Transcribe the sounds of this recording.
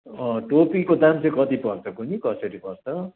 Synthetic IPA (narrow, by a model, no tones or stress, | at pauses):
ʌ̃ʈopikod̪amt͡sʌ̃kʌt̪ipʌrt͡sʰʌkunikʌsʌɾipʌrt͡sʰʌ